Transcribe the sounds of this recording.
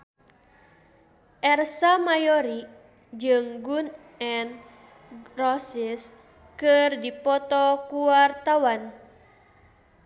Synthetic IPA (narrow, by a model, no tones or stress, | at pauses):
ʔɛrsamajɔɾi | d͡ʒɨŋɡun | ɛn | rɔsis | kɨrdipɔt̪ɔkuwart̪awan